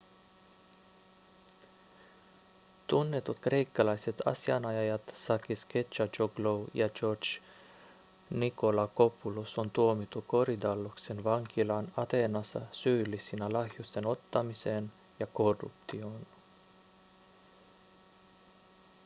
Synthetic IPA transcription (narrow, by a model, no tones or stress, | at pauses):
t̪unːe̞t̪ut̪kre̞jkːɑlɑjse̞t̪ɑ̰siɑnɑjɑjɑt̪sɑkisket͡ʃːɑt͡ʃoɡlowjɑd͡ʒot͡ʃ | niko̞lɑko̞pulusont̪uomit̪ːuko̞ɾid̪ɑlːuksenʋɑŋk̟ilɑnɑt̪e̞nɑsɑ̰syːlːisinælɑhjust̪e̞no̞t̪ːɑmise̞n | jɑko̞rːṵpt̪io̞n